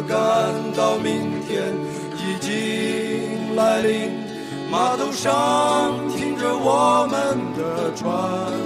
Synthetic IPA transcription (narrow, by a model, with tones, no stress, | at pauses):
ka˧nt̪ɑ˧˩ʊmi˧˩ŋt̪ʰjɛ˥n | i˨˩t͡ɕi˥ŋla˧˥ɪli˧˥˩ŋ | ma˧˥t̪o˥ʊʂɑ˥ŋt̪ʰi˥ŋʈ͡ʂə˧wɔ˨˩mə˧nd̪ə˩ʈ͡ʂʰwa˥nn